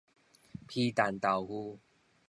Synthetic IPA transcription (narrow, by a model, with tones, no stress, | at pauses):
pʰi˦˧t̪a˨˩nt̪a˨˩whu˦